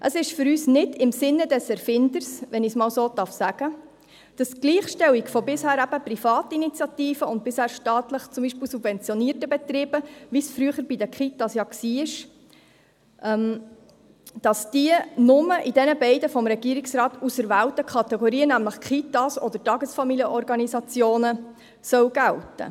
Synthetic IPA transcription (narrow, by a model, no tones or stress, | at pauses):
ʔəsɪʃfʏɾyːsnɪdɪmsɪnːədɛsɛɾfɪndəɾsʋɛnismɑːwsoːd̪ɑrfsæɡ̥ə | d̥ɑsɡ̥liːχʃtɛwikfɔbɪshæːɾæb̥əprifɑːtəinit͡sjɑtiːfəʊnt̚bɪshæːɾʃtɑːt̪ləχt͡sʊmbiʃpɪːlsubvɛnt͡sjɔniːəɾtəbɛt̪ɾɪːb̥əʋisfɾyəχəɾb̥idəkχitɑsjɑːksiːɪʃ | ʔɛm | d̥ɑsd̥iənʊməʔidɛnəbɛɪdəfɔmɾɛɡ̥iːɾiksɾɑːt̪usəɾʋæːwtəkχɑtɛɡɔɾiːənæmləχkχitɑsɔd̪əɾtɑɡəsfɑmiljəʔɔɾɡɑnisɑt͡sjoːnə | sœwɡ̥æwtə̰